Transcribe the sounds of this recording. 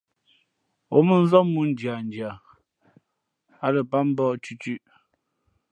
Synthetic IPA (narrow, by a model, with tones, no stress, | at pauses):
o˦mə˦n̩˦zɔ˦mu˦n˨˦d͡ʒja˨n̩˨d͡ʒja˨ | a˦lə˨pa˦m̩˦bɔ˦˨t͡ʃʉ˦t͡ʃʉ˦ʔ